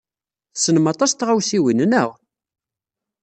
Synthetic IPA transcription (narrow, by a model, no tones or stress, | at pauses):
θsənəmɑt̪ˤɑst̪ʁawsiwinnəʁ